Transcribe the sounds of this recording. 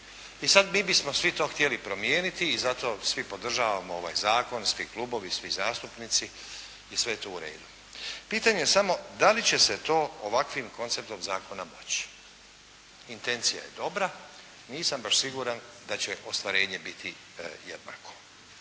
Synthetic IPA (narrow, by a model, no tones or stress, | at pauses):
isad̪miːbismo̞sʋit̪o̞ːxt̪ijelipɾo̞mjeːnit̪iːzat̪o̞ːsʋipo̞d̪r̩ʒaːʋamoo̞ʋa̰jzaːko̞nsʋiklˠuːbo̞ʋisʋizaːst̪upniːt̪siː | sʋe̞jet̪oːuɾe̞̰ːd̪u | piːt̪aɲejesamo̞d̪alit͡ɕe̞se̞t̪o̞ːoʋakʋimko̞nt̪se̞p̚t̪o̞mzaːko̞namo̞̰t͡ɕ | int̪e̞nt̪sija̰jḛd̪o̞bɾa | niːsambaʃsiɡuːɾan | d̪at͡ɕe̞ʔo̞st̪ʋaɾe̞ːɲe̞bit̪ʰi | jed̪na̰ːko̞̥